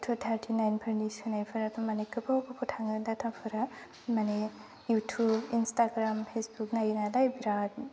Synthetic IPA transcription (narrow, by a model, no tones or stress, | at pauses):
tʰubt̪ʰaɾtʰinajnpʰəɾnisɯnajpʰɯɾatʰɯmanekɯbʰɔwbɔpʰutʰaŋɯd̪at̪ʰapʰɯɾa | mane | jutʰubinstaɡɾampʰesbuknajnalajbɾad̚